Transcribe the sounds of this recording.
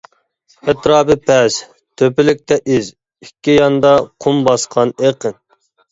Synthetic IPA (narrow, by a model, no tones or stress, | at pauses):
ɛt̪ɾɑːbɨpʰɛs | t̪ʰøpɪlɪk̚ʲt̪ɛʔiz | ikʲʰːijɑnd̪ɑqʰumbɑsqʰɑneqʰən